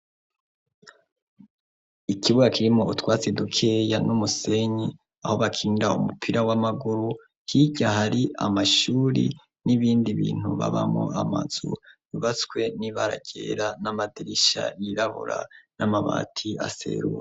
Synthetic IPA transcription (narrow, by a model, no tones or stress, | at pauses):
ikʰiβuɡakiɾimo̞utwaːt͡sedukʰejanumuse̞ɲi | aho̞βakʰiːndaumupʰiɾawamaɡuɾu | hiɟaɦaɾiʔamaʃuːɾḭ | niβiːndiβḭːn̥huβa̰βamo̰ama̰z̥ṵβuβat͡swe̞niβaɾa̰ɟe̞ɾanamadiɾiʃa̰iɾaβṵɾa̰namaβa̰ːtʰia̰se̞̰ɾuɾe